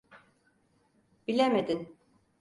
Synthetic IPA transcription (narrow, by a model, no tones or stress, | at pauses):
b̥ilʲemed̪in